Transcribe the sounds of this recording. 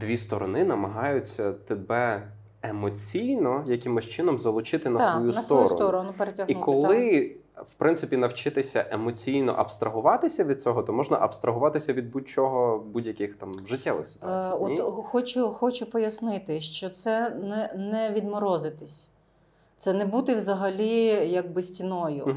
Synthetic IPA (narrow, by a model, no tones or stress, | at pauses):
d̪ʋʲist̪ɔɾɔnɪnɐmɐɦɑjʊt͡sʲːɐt̪ebɛ | emɔt͡sʲijnɔjɐkʲɪmʊsʲt͡ʃɪnɔmzɐlˠʊt͡ʃɪt̪ɪnɐsʋɔjunt̪ɔɾɔ̰ɔɾɔnʊpeɾetʲɐɦiukɔlˠɪ | wpɾɪntsɪpʲinɐwt͡ʃɪt̪ɪsʲɐʔemɔt͡sʲijnɔ̰ʔɐbst̪ɾʔɐɦʊʋɑt̪ɪsʲɐʋʲid̪̥̚t͡sʲɔɦɔt̪ɔmɔʒnɐ̰ʔɐbst̪ɾʔɐɦʊʋɑt̪ɪsʲɐʋʲid̪̚but͡ʃɔɦɔbudʲjɐkɪxt̪ɑmʒɪtʲːɛʋɪ̰xsɪ̥t̪ʊaɔt̪xɔt͡ʃʊxɔt͡ʃʊpɔjɐsnɪt̪ɪʃt͡ʃɔt̪sɛnɛnɛʋʲid̪mɔɾɔzɪt̪ɪsʲ | t̪sɛnɛbut̪ɪwzɐɦɐlʲijɐɡ̚bɪsʲtʲinɔjʊ̰